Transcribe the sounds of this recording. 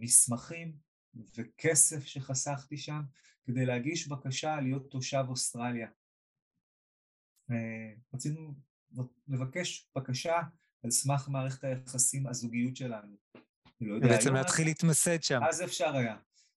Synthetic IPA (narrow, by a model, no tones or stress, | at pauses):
mismaχim | ve̞kʰe̞se̞fʃe̞χasaχt̪iʃam | ke̞de̞jleaɡiʃbakaʃalijo̞t̪ːo̞ʃabostʁalja | eʁat͡sinu | le̞vake̞ʃb̥akaʃa | alsmaχmaːʁeχetajaχasimazuɡijutʃe̞lanu | anilo̞jobeeajemleat̪χilit̪mased̪ʃamazeefʃaʁaja